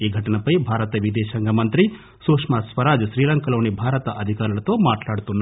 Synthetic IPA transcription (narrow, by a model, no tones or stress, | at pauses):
iːɡʱɐʈɐnɐpɐjbʱaːɾɐt̪ɐʋid̪ɛːʃɐŋɡɐmɐnt̪ɾi | suːkʂmɐsʋɐɾaːd͡ʒʃɾiːlɐŋkɐloːnibʱaːɾɐt̪ɐʔɐd̪ʱikaːɾulɐt̪o̞ːmaːʈlaːɽut̪unː